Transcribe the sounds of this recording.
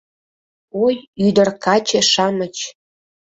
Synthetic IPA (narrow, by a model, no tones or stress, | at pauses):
ojyd̪ərkɑt͡ɕeʃɑmət͡ɕ